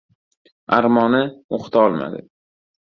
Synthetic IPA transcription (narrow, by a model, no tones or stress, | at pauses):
aɾmɒnɪoqt̪ʰaɒlˠma̰d̪ɪ̰